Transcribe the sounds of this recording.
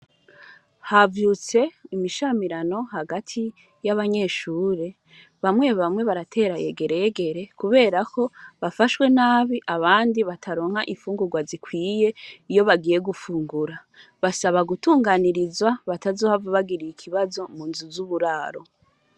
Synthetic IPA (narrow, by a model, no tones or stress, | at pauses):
havjuːt͡se̞imiʃamiɾano̞haɡatʰi | jaβaɲe̞ːʃuːɾe̞ | βamŋe̞βamŋwe̞βaɾatʰe̞ːɾaje̞̰ɡe̞ɾe̞je̞ɡe̞ɾe̞kuβe̞ːɾakʰo̞βafaʃwe̞naːβiʔaβaːndiβatʰaɾo̞ːŋ̥haʔiɱfuːŋɡuɡwazikwiːje̞ijo̞βaɡije̞ɡufuːŋɡuɾa | βasaβaɡutuːŋɡaniɾizwaβatazohavaβaɡiɾijikʰiβazo̞muːnzuzuβuɾaːɾo̞̰